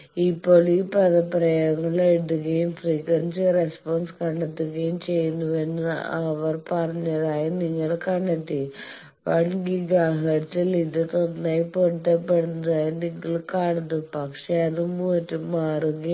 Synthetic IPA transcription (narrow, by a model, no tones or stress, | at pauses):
ipːoɭipɐðɐpɾɐjɐŋːɐɭeɽuɣɐjumfriːkɐnsiɾespoːnskɐɳɖɐʈ̪ːuɣɐjumt͡ɕejːunːuʋenːɨɐʋɐrpɐrɐɲːɐðaːjiniŋːɐɭkɐɳɖɐʈ̪ːi | ʋɐɳɡiɡaːɦɐtːilid̪ɐt̪onːaːjipoʈːɐpːeɽunːɐðaːjiniŋːɐɭkaːɽɐnːupɐkʂeɐðumuɐʈːumaːɾuɣɐ